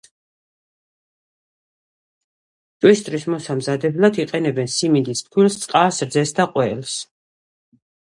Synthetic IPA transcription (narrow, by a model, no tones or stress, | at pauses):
t̪ʼwist̪ʼɾismɔsamzad̪ɛblˠad̪iqʼɛnɛbɛnsimind̪isp̪̚ʰkʰwilst̪sʼqʼasɾd̪zɛsd̪aqʼwɛls